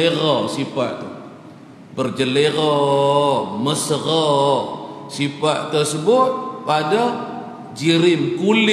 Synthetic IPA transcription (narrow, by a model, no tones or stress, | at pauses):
eɣɔsifa̰ʔt̪u | bərd͡ʒəleɣɔ | məsəɣɔ | sifaʔt̪ərsəbʊt̪̚pada | d͡ʒiɾɪmkulɪ